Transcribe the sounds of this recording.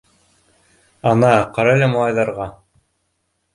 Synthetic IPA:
ɑnɑqɑɾɑlæmɑlˠɑjðɑɾʁɑ

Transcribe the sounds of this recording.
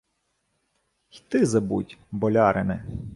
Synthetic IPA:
xt̪ɪzɐbutʲbɔlʲɑɾʔɪnɪ̰

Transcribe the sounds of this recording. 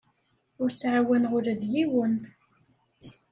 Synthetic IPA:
ʊɾt͡sːʕawænʁʊɾæðjiwən

